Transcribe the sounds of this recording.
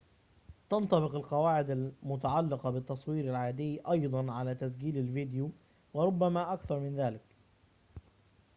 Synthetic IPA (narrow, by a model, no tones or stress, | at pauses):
t̪ɑnt̪ˤɑβɪqalqɑwaːʕɪd̪almʊt̪aʕalːɪqɑbɪt̪ːɑsˤwiːɾalʕaːd̪ɪjːʔɑjd̪ˤɑnʕalaːt̪as̬ɡiːlalvɪd̪ɪjuː | wɪɾˤʊbːamaːʔakθɑɾˤmɪnðaːlɪk